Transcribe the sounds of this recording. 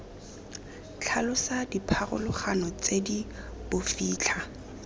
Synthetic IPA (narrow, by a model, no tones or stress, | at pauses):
t͡ɬʰalʊsadipʰarʊ̰lʊχanɔt͡sedib̥ʊfiːt͡ɬʰa